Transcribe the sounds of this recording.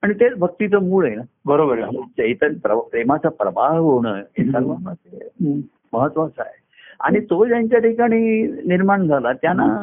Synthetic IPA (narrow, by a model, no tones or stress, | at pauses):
aɽ̃it̪et͡sbʱək̚t̪it̪əmuɭəjnabəɾobəɾt͡ɕəit̪əɾpɾəpɾemat͡sapɾəbaɦɡoɽ̃əesəɾʋamase | məɦət̪ːʋat͡sa̰ɦe | a̰ɽ̃it̪od͡ʑjaɲt͡ɕjaʈʰikaɽ̃iːniɾmaɳd͡zʱalat̪jana